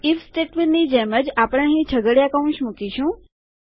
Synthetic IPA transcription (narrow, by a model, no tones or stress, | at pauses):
ifsʈeʈʋinnid͡ʒeməd͡ʒapəɽ̃eəɦĩt͡ʃʰəɡəɽjakaũnʃmukiʃũ